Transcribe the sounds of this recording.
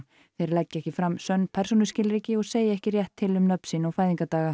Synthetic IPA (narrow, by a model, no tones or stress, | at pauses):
θejɾɪlɛcːɛhcɪfɾamsœnːpʰɛr̥sunʏscɪlɾiːcɪɔɣseːjɪɛhcɪrjɛht̪ʰːɪlʏmnœpn̥sinawfaːjðiŋkat̪aːɣa